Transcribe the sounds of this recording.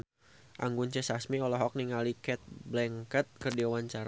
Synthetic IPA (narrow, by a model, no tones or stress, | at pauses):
ʔa̰ŋɡunt͡ʃəsasmiɔlɔɦɔk̚niŋalikɛt̪̚blɛŋkət̪̚kərdiawaɲt͡ʃaɾa